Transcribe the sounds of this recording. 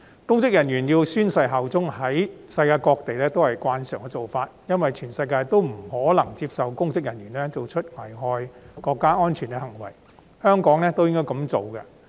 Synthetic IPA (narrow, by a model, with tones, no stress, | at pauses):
kʊ˥ŋkɪ˥k̚jɐ˨˩njyː˨˩njiː˧wsyː˥nsɐ˧jɦɐ˨wt͡sʊ˥ŋhɐ˨˥jsɐ˧jkaː˧jkɔː˧k̚t̪e˨jlɛː˥t̪o˥whɐ˨jkwaː˧nsœ̰ː˨˩ŋkɛ˧t͡so˨wfaː˧t̚jɐ˥nwɐ˨jt͡ʃʰyː˨˩nsɐ˧jkaː˧jt̪o˥wm̩˨˩hɔː˨˥lɐ˨˩ŋt͡siː˧p̚sɐ˨wkʊ˥ŋkɪ˥k̚jɐ˨˩njyː˨˩nɛ˥t͡so˨wt͡ʃʰɵ˥t̚ŋɐ˨˩jɦɔː˧jkɔː˧kːaː˥ʔɔː˥nt͡ʃʰyː˨˩nkɛ˧hɐ˨˩ŋwɐ̰˨˩j | hœː˥ŋkɔː˨˥ŋnɛː˥t̪o˥wjɪ˥ŋkɔː˥jkɐ˨˧˥mt͡so˨wkɐ̰˧